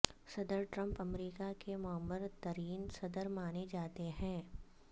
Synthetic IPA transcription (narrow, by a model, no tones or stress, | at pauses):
sɐd̪əɾʈɾə̃mpɐmɾiːkakemʊəmːəɾt̪ɐɾiːnsɐd̪əɾmaːned͡ʒaːt̪eɦɛ̃ː